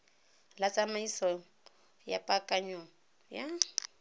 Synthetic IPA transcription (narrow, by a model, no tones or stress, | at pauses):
lat͡sʼamaisɔ | ja̰pʼakʼaɲɔŋ̩ | ja